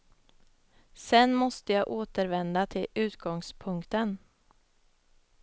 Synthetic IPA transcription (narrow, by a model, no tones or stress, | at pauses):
sɛnmɔst̪əjɑːʔoːt̪əɾvɛnd̪at̪ʰɪlʉ̟ːt̪ɡɔŋspʰɵŋkt̪ən